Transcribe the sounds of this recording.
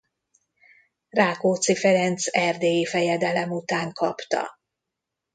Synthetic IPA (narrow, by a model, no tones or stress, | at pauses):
raːkoːt̪sifɛɾɛnt̪sɛrd̪eːjifɛjɛd̪ɛlɛmut̪aːŋkʰɒpt̪ɒ̰